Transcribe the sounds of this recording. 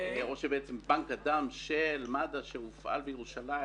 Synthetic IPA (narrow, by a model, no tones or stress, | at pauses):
o̞ʃebeʔet͡sembaŋkad̪amʃelmad̪aʃeufʔa̰lbejeʁuʃalai